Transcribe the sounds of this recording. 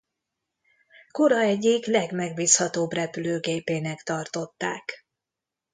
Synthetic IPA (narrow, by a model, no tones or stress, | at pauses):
koɾɒɛɟiklɛɡmɛɡ̚biːshɒt̪oːbrɛpyløːɡeːpeːnɛkt̪ɒrt̪o̞t̪ːaːk